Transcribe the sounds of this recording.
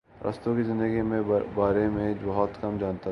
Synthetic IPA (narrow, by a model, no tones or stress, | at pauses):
ɾʔɐ̰st̪õkizɪ̃nd̪əɡimẽbaːɾemẽbɐɦɔt̪kɐmd͡ʒaːnt̪a